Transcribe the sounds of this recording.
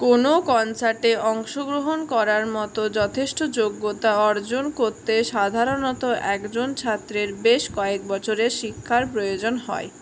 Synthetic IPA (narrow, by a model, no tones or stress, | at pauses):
konokɔnt͡ɕaɾʈeɔŋʃoɡɾoɦonkɔɾaɾmɔt̪od͡ʑɔt̪ʰeʃʈod͡ʑoɡːot̪aɔɾd͡ʑonkoɾt̪eʃad̪ʱaɾonɔt̪oʔɛkd͡ʑont͡ɕʰat̪ːɾeɾbeʃkɔek̚bɔt͡ɕʰoɾeʃikʰːaɾpɾojod͡ʑonɦɔ̰e